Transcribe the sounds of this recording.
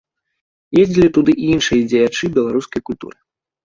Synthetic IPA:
jezʲd͡zʲilʲit̪ud̪ɨʔiinʂɨjɐd͡zʲɛjat͡ʂɨbʲɛlˠaɾuskɐjkulʲt̪ṵɾɨ

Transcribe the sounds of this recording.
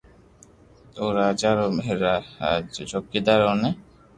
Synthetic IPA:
oɾad͡ʒaɾomɾa | t͡ʃokːid̪aɾone

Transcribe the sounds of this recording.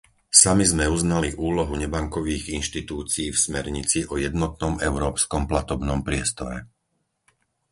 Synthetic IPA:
samizmɛuznaliʔuːlɔɦuɲɛbaŋkɔʋiːɣinʃt̪it̪uːt͡siiːfsmɛɾɲit͡siʔɔjɛd̪nɔt̪̚nɔmɛʊɾɔːpskɔmplat̪ɔbnɔmpɾɪɛst̪ɔɾɛ̰

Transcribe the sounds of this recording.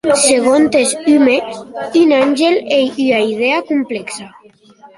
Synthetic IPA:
seɣ̞ont̪esymeynanʲʒelejyaið̞eakumpleksa

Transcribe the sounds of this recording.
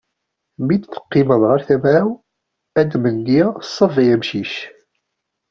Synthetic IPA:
mid̪θə̥qːɪməðˤʁəɾθæmʕaw | æd̪mənːiæsˤːəfiæmʃiʃ

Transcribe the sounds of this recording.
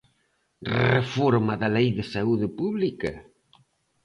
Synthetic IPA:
refoɾmɐðɐlejðɪsauðɪpuβlikɐ̰

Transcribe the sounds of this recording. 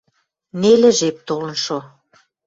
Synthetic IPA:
nelɘ̆ʒep̚t̪olə̆nʃo

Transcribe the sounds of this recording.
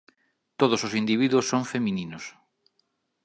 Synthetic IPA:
t̪oð̞ososind̪iβ̞iðuosːoŋfemĩninos

